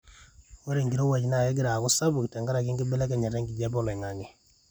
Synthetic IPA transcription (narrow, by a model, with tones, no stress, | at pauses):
wo˦ɾe˨ŋɡiɾo˦wa˨d͡ʒna˦˨e˦ɡ̬ɪ˦ɾa˨kʊ˦sa˦bu˨ktɛ˨ŋɡa˦ɾa˨ki˦ŋɡɪ˦bɛ˦lɛ˦ka˨ɲa˨ɾɛ˦ŋɡi˨d͡ʒɛ˦bɔ˦˨le˨ŋa˨ŋe˨